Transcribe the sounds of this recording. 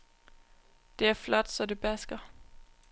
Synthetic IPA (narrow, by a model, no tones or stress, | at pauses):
d̥e̝æɐflɒd̥sɒ̽de̝b̥æsɡ̥ɐ